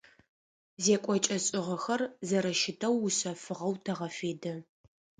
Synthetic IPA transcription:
zeːkʷʼɔt͡ʃʼɐɕʼɪʁɐxɐrzɐɾɐʃɪtʰɐwːʊɕɐfɨʁɐwtʰɐʁɐfeːdɐ

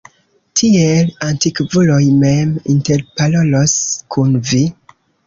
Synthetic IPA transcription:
tʰielantikvulojmeminteɾpaloloskʰunvi

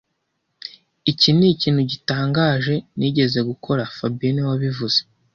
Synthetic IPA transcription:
iciniciːnhuɟitaːŋɡaːʒe̞niːɟe̞ze̞ɡukʰo̞ɾafabiinewaβivuz̥e

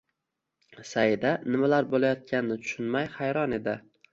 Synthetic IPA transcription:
sajɪd̪anɪmalaɾbolajɒt̪̚kʲanɪnɪt̪ʰʊ̥ʃʊnmajhajɾɒne̞d̪ɪ

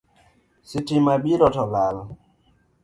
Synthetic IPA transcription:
sitimaɓiɾɔtɔlal

